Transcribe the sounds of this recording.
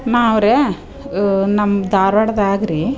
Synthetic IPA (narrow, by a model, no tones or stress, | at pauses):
naːɐʋɾe | nɐmd̪aːɾʋɐɽɐd̪aːɡɾi